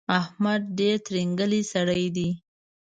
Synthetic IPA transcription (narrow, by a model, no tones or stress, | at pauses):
ahmad̪̚ɖeɾt̪ɾiŋɡəlisaɽəjd̪i